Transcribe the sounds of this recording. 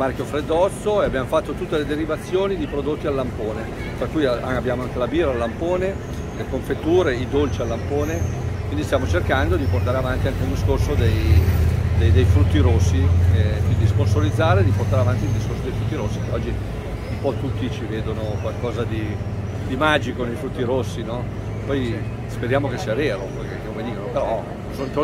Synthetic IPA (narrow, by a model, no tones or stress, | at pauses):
markjofɾed̪ːɔt̪sːoeabːjaːmofat̪ːot̪ut̪ːeled̪eɾivat̪sːjoːnid̪ipɾod̪ot̪ːialːampoːne | t̪ɾakːujaaabjaːmoaŋkelabiːɾaːlːampoːne | lekoɱfet̪ːuːɾeid̪olt͡ʃialːampoːnekwind̪ist̪jaːmot͡ʃerkand̪od̪iport̪aːɾeavant̪iaŋkeund̪iskorsod̪ej | d̪ejd̪ejfɾut̪ːiɾosːiɛkwind̪iskonsolid̪zːaːɾed̪iport̪aɾeavant̪ild̪iskorsod̪ejfɾut̪ːiɾosːikeɔd͡ʒːi | umpɔt̪ːut̪ːit͡ʃiveːd̪onokwalkɔːzad̪i | d̪imaːd͡ʒikonejfɾut̪ːiɾosːinɔ | pɔj | speɾjaːmokesːiːaveːɾopɔjkekːekomed̪iːkonopeɾɔ | sont̪